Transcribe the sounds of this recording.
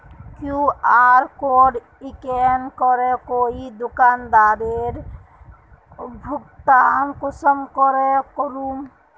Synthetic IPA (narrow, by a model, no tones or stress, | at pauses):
kjũaːɾkoɖ | ikenkɔɾekoːid̪ukaːnd̪aːɾeɾ | bʱukt̪ankusəmkɔɾekɔɾuːm